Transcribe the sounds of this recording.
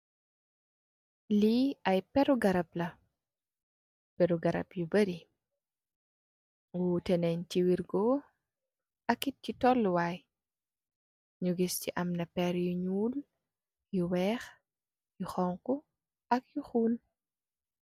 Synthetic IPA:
liɐjpɛɾuɡɐɾɐp̚lɐ | pɛɾuɡɐɾɐ̰pjubɐɾi | wutɛnɛɲt͡ʃiwiɾɡɔ | ɐkːit̚citɔlːuwaj | ɲuɡisciʔɐmnɐpɛɾjuɲuːl | juwɛːx | juxɔŋkɔ | ɐk̚juxuːn

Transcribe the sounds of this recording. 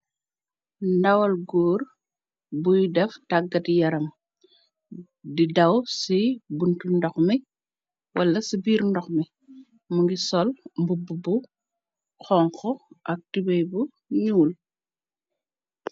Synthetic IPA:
ndɐwɐlɡoːr | bujdɛftaɡːɐtjɐɾɐm | didɐwsibuntundɔxmi | wʔɐlːɐsibiːɾndɔxmi | muŋɡisɔlmbububu | xɔŋkɔʔɐk̚tibɛjbu | ɲuːl

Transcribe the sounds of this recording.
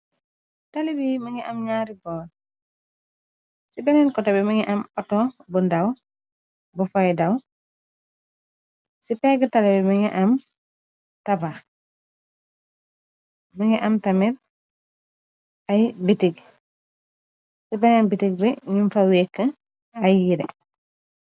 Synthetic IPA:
talibimɐŋɛʔɐmɲaːɾibɔː | sibɛnɛnkɔtɔbɛmɐŋɛʔɐmɔtɔbundaw | bufajdaw | sipɛɡətalibimɐŋɛʔam | taba | miŋɛʔamtamiɾ | ajbitiɡ̚ | sibɛnɛnbitiɡ̚bɛɲumfaweːkːə | ajjiɾɛ

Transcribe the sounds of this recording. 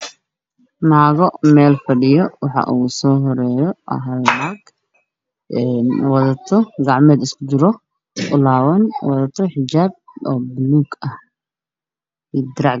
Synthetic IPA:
maːɣɔmɛːlfɐɖɪjɔwɑħɑ̰ʔusɔːɦɔɾɛːjɔʔɐ̰ɦɐlmaɡ | ʔɛːnwɑðɐt̪ʰɔɡɑʕmɛːd̪ɪskʰʊt͡ʃɪɾɔ | ʔʊlaːwɐnwɑðɐt̪ʰɔħɪt͡ʃaːb̚ɔːbluːɡɐh | iːd̪ɪɾɑʕ

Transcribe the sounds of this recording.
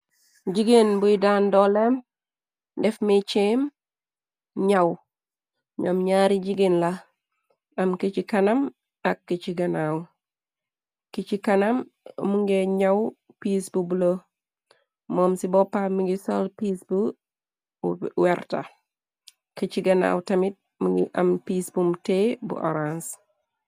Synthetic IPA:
d͡ʒiɡenbuidandɔlem | dɛfmit͡ʃem | ɲaw | ɲomɲaɾid͡ʒiɡinla | ɐmkit͡ʃikɐnɐm | akːit͡ʃiɡɐnaw | kit͡ʃikɐnɐmmuŋɡeɲɐw | piːsbubulo | mɔmsibɔpamiɡisolpiːsbu | wɛɾta̰ | kət͡ʃiɡɐna̰wtɐmit̚ | muɡiʔɐ̰mpisbumtebṵʔo̰ɾans

